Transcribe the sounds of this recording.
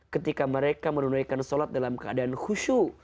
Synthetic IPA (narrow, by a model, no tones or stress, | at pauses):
kət̪ikaməɾekamənunajkansolat̪̚dalamkəadaanhuʃu